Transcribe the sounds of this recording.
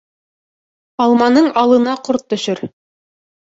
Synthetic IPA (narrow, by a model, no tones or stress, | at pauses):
ɑlˠmɑnɤɴɑlˠɤ̆nɑqoɾt̪ːɵ̆ʃɵɾ